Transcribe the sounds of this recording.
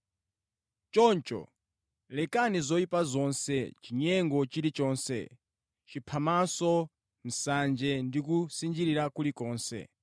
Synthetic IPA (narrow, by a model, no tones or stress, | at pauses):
t͡ʃɔnt͡ʃɔ̰ | lɛkanizɔipazɔnsɛt͡ʃiɲɛŋɡɔt͡ʃiɾit͡ʃɔːnsɛ̰ | t͡ʃipʰamasɔ | m̩sand͡ʒɛndikusind͡ʒiɾiɾakulikɔːnsɛ̰